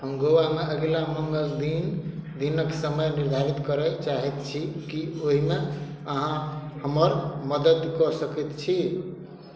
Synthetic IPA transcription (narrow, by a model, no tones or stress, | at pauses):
həmɡowameəɡlaməŋɡəld̪ind̪inəksəməjniɾd̪ʱaɾit̪kəɾɛt͡ʃaɦɛt̪t͡ʃʰikioɦime | əɦãhəməɾməd̪əd̪kɔsəkɛt̪t͡ʃʰi